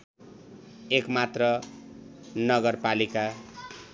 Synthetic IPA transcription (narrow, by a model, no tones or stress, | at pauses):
ekmat̪rʌ | nʌɡʌrpalika